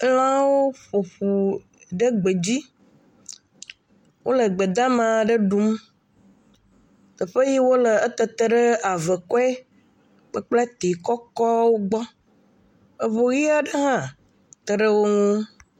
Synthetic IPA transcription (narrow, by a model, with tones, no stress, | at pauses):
lã˦wo˦ɸo˨ɸu˨ | ɖə˦ɡ͡be˨d͡ʑi˦ | wʔo˦lə˨ɡ͡be˨d̪ã˦mã˨ɖə˦ɖu˦m | kə˨ɸə˦ji˦wo˦lə˨ə˦t̪ə˨t̪ə˨ɖə˦a˨və˨kɔ˦ɛ˦ | k͡pə˦k͡ple˦t̪e˨kɔ˦kɔ˦wo˦ɡ͡bɔ˦ | ə˨βo˨ɣi˦a˦ɖə˦ɦã˦˨ | t̪ə˨ɖə˦wo˦ŋũ˦